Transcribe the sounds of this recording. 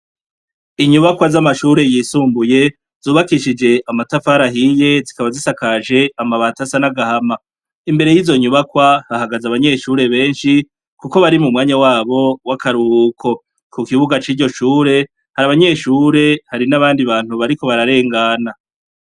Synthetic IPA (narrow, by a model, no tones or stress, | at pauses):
iɲuβakwazamaʃuːɾe̞jiːsuːmbuje̞ | zuːβakiʃid͡ʒe̞ʔamatafaːɾaɦije̞zikaβazisakaʒe̞amaβaːtasanaɡahama | imbeɾe̞jiːzo̞ɲuβakwahahaɡazaβaɲe̞ːʃuːɾe̞βe̞ːnʃi | kuko̞βaɾimumŋaːɲawaːβo̞wakʰaɾukʰo̞ | kukiβuɡat͡ʃiːɾɟo̞ʃuːɾe̞ | haɾaβaɲe̞ːʃuːɾe̞haɾinaβaːndiβaːn̥huβaɾiko̞βaɾaɾe̞ːŋɡana